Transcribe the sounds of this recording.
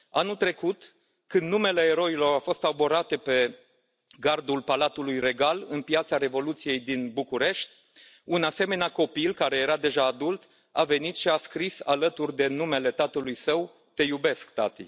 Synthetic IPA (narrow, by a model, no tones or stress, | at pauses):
anult̪ɾe̞kut̪ | kɨnd̪numele̞ːɾo̞ilo̞ɾafo̞st̪abo̞ɾat̪e̞pe̞ | ɡard̪ulpalat̪ulujre̞ɡalɨnpjat̪saɾe̞vo̞lut̪sije̞jd̪inbukuɾe̞ʃt̪ʲ | unase̞me̞neako̞pilkaɾe̞jeɾad̪e̞ʒaːd̪ult̪ | ave̞nit̪ʃiaskɾisa̰lət̪urʲd̪e̞nume̞le̞t̪at̪əlujsəw | t̪e̞jube̞skt̪a̰t̪ḭ